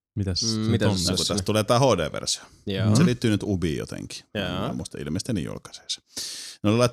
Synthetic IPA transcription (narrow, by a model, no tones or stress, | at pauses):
mit̪æst̪ːkut̪æst̪uleːt̪ɑhoˑdḛːʋḛrsɑ̥ | seliːt̪ːyːnyt̪ubiːjo̰t̪ḛŋki̥mːust̪ɑḭlmest̪enḭjṵlkɑ̥se̥ːˑsɑ̥neolilɑˑit̪